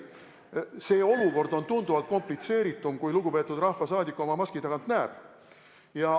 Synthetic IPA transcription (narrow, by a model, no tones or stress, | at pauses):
se̞ːo̞luko̞rd̪o̞nt̪und̪uvɑlt̪̚ko̞mplit̪se̞ːɾit̪ːˑumkujluɡ̥upe̞ːt̪ːud̪̥rɑhfvɑsɑːd̪ʲikːˑuo̞mɑmɑskid̪ɑɡɑnt̪næeb̥ | jɑ